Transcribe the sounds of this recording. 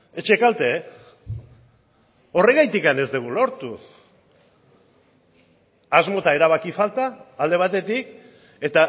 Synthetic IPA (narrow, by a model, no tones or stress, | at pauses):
et͡ʃekalt̪e̞ | o̞re̞ɣajt̪ikane̞zd̪eɣulo̞ɾt̪u | azmo̞t̪ae̞ɾaβ̞akifalt̪aːld̪e̞βat̪e̞t̪ik̚ | e̞t̪a